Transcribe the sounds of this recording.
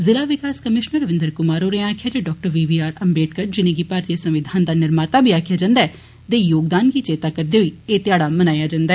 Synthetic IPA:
zɪlaːʋɪkaːskəmɪʃnəɾəʋɪ̃nd̪əɾkʊmaːɾoːɾẽaːkʰɪjaːd͡ʒ̪eːɖɔːk̚ʈəɾʋiːʋiːaːɾəmbeːʈkəɾd͡ʒɪnẽːɡiːpaːɾt̪ijəsə̃mʋɪd̪ʱaːnd̪aːnɪɾmaːt̪aːbʱiːaːkʰjaːd͡ʒãːnd̪aɛː | t̪eːjoːɡd̪aːnɡiːt͡ʃeːt̪aːkəɾd̪eːɦoiːeːt̪ɪjaːɽaːmənaːjaːd͡ʒãːnd̪aɛː

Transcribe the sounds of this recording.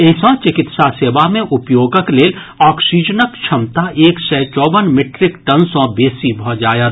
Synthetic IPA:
esɔ̃t͡ʃɪkɪt̪saseːʋamẽʔʊpjoːɡəkleːl | ɔːksiːd͡ʒənəkt͡ʃʰɐmt̪aʔeːksɛːt͡ʃɔːʋənmɪʈɾɪkʈənsɔ̃beːsibʱɔd͡ʒaːjat̪

